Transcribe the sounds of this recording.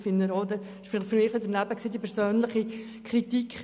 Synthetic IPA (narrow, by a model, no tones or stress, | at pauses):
fɪnːəɾod̪ɛ | ɪʃffʏɾmɪːχɪdəɾnæbəksiːd̪ipʰɛɾsøːnlɪχi | kʰɾitikχ